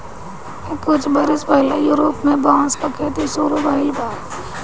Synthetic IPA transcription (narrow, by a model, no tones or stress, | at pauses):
kʊt͡ʃʰbɐɾɪspɐɦlejʊɾoːpmẽbãːspɐkʰet̪isuːɾobʱaːibʱaː